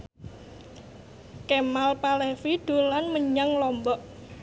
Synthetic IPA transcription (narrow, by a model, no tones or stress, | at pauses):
kemalpalefid̪̥o̤lanməɲaŋlɔmbɔʔ